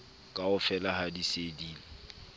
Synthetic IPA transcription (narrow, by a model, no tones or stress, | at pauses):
kʼaʊfɛlahadisediːlɛ